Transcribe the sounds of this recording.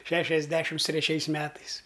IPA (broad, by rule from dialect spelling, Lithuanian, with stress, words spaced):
ˈʃʲæːʃʲɛzʲdʲɛʃʲɪms tʲrʲɛˈt͡ʃʲɛɪs ˈmʲæːtɐɪs